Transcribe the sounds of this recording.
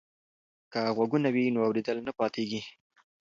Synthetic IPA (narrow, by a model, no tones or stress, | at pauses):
kaɣwaɡunawinoawɾed̪əlnapɑt̪eɡi